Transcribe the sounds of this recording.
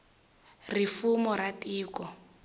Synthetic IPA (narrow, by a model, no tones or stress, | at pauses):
rifumɔratʼiːkɔ